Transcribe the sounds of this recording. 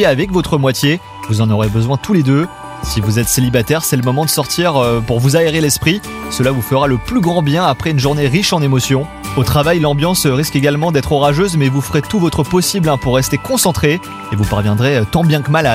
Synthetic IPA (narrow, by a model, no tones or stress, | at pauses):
avɛkvɔt̪χəmwat̪je | vuzɑ̃nɔʁebəzwɛ̃t̪uled̪ø | sivuzɛt̪selibat̪ɛʁsɛləmɔmɑ̃d̪əsɔʁt̪iʁpuʁvuzaeʁelɛspχi | səlavufəʁaləplyɡʁɑ̃bjɛ̃apχɛynʒuʁneʁiʃɑ̃nemɔsjɔ̃ | ot̪χavajlɑ̃bjɑ̃sʁiskeɡalmɑ̃d̪ɛt̪χɔʁaʒøzmɛvufəʁet̪uvɔt̪χəpɔsiblɛ̃puʁːɛst̪ekɔ̃sɑ̃t̪χe | evupaʁvjɛ̃d̪ʁet̪ɑ̃bjɛ̃kəmala